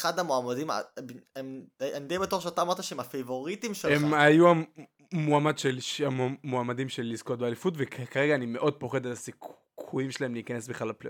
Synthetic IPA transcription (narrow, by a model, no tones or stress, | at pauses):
eχad̪hamoamadima̰bemanidejbetuʁʃeat̪aːmaʁt̪aʃeemafevo̞ʁit̪imʃeemmajua | moamadʃelʃamoamadimʃelːizko̞t̚bealifutvekkaʁeɡaːnimeʔo̞d̪̚po̞χe̞d̪etasik | kʰujimʃelahemleikane̞sbeχlalaplḛ